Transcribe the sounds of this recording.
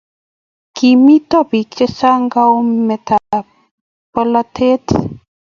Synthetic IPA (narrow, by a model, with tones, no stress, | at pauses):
ki˨mi˦t̪ɔ˦bi˨t͡ʃe˦sa˦ŋɡa˦wme˨t̪ʰa | pə˦la˦t̪ʰe˦t̪ʰ